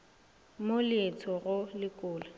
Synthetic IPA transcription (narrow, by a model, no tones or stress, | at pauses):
molet͡sʰɔɣʊlɪkʼʊːla